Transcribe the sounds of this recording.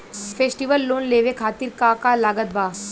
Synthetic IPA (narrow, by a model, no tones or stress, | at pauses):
fʰeːsʈiʋəlːoːnleːʋekʰaːt̪ɪɾkakalaːɡət̪̚bʱaː